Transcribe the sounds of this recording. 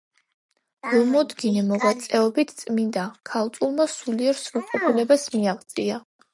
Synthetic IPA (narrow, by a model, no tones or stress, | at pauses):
ɾɔmɔd̪ɡinɛmɔʁwat̪sʼɛɔbit̪ʰt̪sʼmind̪akʰalˠt̪ʼulˠmasuliɛɾsɾuqʼɔpʰulɛbasmiaʁt̪sʼia